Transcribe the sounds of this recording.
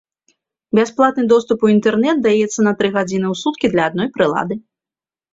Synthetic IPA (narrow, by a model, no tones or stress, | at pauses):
bʲasplˠat̪̚nɨd̪ɔst̪upuint̪ɛrnɛt̪̚d̪ajɛt̪sːɐnɐt̪ɾɨɣad͡zʲinɨwsut̪kʲid̪lʲɐːd̪̚nɔjpɾɨlˠa̰d̪ɨ